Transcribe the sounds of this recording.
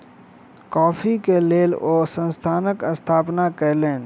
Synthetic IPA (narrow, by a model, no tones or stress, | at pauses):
kɔːpʰikeleːloːsə̃nst̪ʰaːnəkəst̪ʰaːpnakəlẽːn